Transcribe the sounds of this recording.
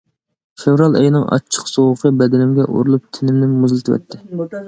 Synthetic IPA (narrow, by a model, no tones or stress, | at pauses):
fevɾɑlˠɛ̰jnɨŋʔɑ̰t͡ʃʰːə̥qsowʊqʰəbɛd̪ɪnɪmɡʲɛʔo̰ɾɨlˠup̚t̪ʰɪnɪmnɪmuzlˠɨt̪ʰɪwɛ̰t̪ʰːɪ